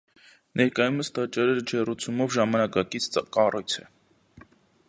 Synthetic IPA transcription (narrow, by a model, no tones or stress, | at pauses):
nɛɾkɑjuməst̪ɑt͡ʃɑɾɛɾd͡ʒɛrut͡sʰumɔvʒɑmɑnɑkɑkit͡sʰkɑrʔɔjt͡sʰɛ